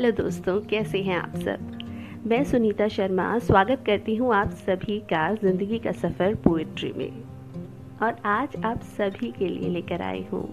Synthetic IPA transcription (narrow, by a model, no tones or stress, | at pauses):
ɦɐlod̪oːst̪õkɛːseɦɛ̃a̰ːpsɐ̰b | mɛ̃ːsʊniːt̪aʃɐɾma̰swaːɡət̪̚kɐɾt̪iɦũaːpsɐbʱikazɪ̃nd̪əɡikasɐfəɾpoːɪʈɾḭmḛ̃ | ɔːɾaːd͡ʒaːpsɐbʱikelḭḛleːkəɾa̰ːḛɦṵ̃ː